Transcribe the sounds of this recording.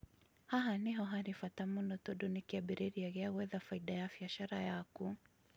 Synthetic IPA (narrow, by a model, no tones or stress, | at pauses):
haɦaniɦɔɦaɾifatamunɔtɔɗɔnikiabiɾiɾiaɣɛaɣwɛðafaidajafiaʃaɾajaku